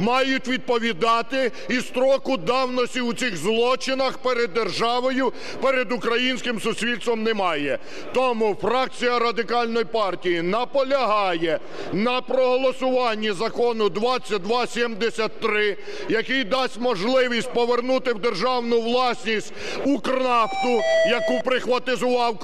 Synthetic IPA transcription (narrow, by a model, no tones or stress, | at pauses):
mɑjʊtʲʋʲid̪̚pɔʋʲid̪ɑt̪ɪ | ist̪ɾɔkʊd̪ɑwnɔsʲtʲiwt͡sʲiɣzlˠɔt͡ʃɪnɐxpɛɾed̪ːerʒɑʋɔjʊ | pɛɾed̪ʊkɾɐjinʲsʲkɪmsʊsʲʋʲilʲtst̪ʋɔmnɛmɑjɛ | t̪ɔmufɾɑk̚t͡sʲijɐɾɐd̪ɪkɑlʲnɔjpɑrtʲijinɐpɔlʲɐɦɑjɛ | nɐpɾɔɦɔlˠɔsʊʋɑnʲːizɐkɔnʊd̪ʋɑt͡sʲːɐt̚ʲd̪ʋɑsʲimd̪esʲɐt̪ːɾɪ | jɐkɪjd̪ɑsʲtʲmɔʒlˠɪʋʲisʲt̚ʲpɔʋernut̪ɪwd̪erʒɑwnʊwlˠɑsʲnʲisʲtʲ | ukrɑft̪ʊjɐkupɾɪxʋɐt̪ɪzʊʋɑw